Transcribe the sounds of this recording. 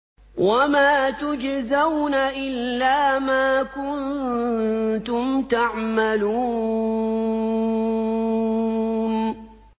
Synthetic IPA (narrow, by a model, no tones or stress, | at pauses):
wamaːt̪ʊd͡ʒzawnaʔɪlːaːmaːkʊn | t̪ʊmt̪aʕmaluː | n